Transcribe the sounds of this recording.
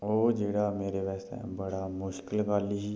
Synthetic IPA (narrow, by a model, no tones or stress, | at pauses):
oːd͡ʒeːɽameːɾeʋɛːst̪ḛ̃bəɽamʊʃkɪlkaːliɦi